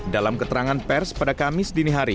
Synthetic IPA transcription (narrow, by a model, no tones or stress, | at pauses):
dalamkət̪əɾaŋanpɛrspadakamɪsdiniɦaɾi